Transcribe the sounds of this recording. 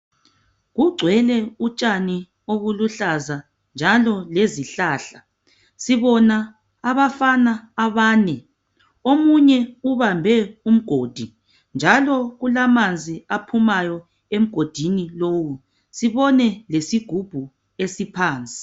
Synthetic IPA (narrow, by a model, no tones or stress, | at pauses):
ɣuɡ͡ǀʱwɛlɛut͡ʃʼani | oβuluɬaza | nd͡ʒʱalɔleziɬaːɬa | siβɔnaː | βafanaːβaːnɛ | omuɲɛuβambʱɛum̩ɡ̥ʱoːd̥ʱi | nd͡ʒʱalɔɣulamand͡zʱiapʰumajɔ | em̩ɡ̥ʱod̥ʱiniloːwu | siβɔnɛlesiɡ̥ʱub̥ʱu | esipʰaːnt͡sʼi̥